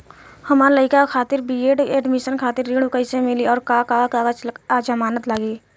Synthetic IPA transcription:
həmaːɾləɪkakʰaːt̪ɪɾbieːɖeːɖmɪʃənkʰaːt̪ɪɾːiɽ̃ukəɪsemɪliɔːɾkakakaːəd͡ʒad͡ʒəmaːnət̪laɡiː

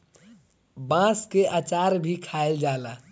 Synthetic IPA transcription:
bãskeʔat͡ʃaɾbʱikʰaeld͡ʒaːla

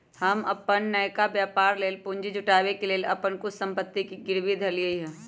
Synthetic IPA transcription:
hɐmɐ̰pənːəjkabjaːpaːɾleːlpʊ̃ːɲd͡ʒid͡ʒʊʈaːʋekeleːlɐpənkʊssə̃mpət̪ːikiɡɪɾʋid̪ʱɐlijəiɦɛ̃ː

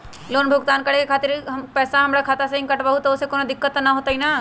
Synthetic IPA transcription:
loːnbʱʊɡt̪aːnkɐɽekekʰaːt̪ɪɾɦpɛːsaɦɐmɾakʰaːt̪asɐɦɪ̃ŋkɐʈʋaɦut̪oʊsekoːnad̪ɪkːət̪naɦoːt̪aɦinaː

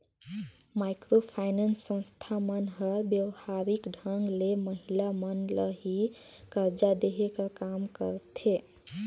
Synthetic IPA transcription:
majkɾopʰaɪnansːə̃ñst̪ʰamənɦəɾbjəʋhaɾikɖʱəŋɡleməɦilamənləɦi | kəɾd͡ʒad̪eɦekəkamkə̰ɾt̪ʰe

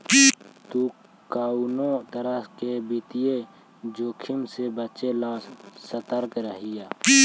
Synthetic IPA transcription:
t̪u | kaːunõt̪əɾəɦkebit̪ije | d͡ʒoːkʰɪmsebət͡ʃelãːssət̪əɾkɾəɦɪjaː

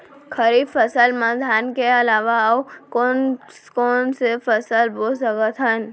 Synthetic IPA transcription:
kʰəɾiːbfəsəlmãd̪ʱaːnkeɐlaːʋawkonkoːnsefəsəlboːsəkət̪ʰɦən

